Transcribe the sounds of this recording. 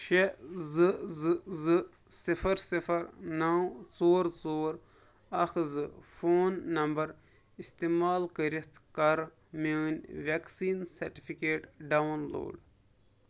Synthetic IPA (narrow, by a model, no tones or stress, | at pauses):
ʃezɨzɨzɨ | sifɐɾsifɐɾnawt͡soːɾt͡soːɾ | ɐxʰzɨfoːnːɐmbɐɾ | ist̪eːmaːlkəɾist̪ʰkɐɾ | meːnʲʋʲaksiːnsɐɾʈifʰikeːʈɖawnlo̰ːɖ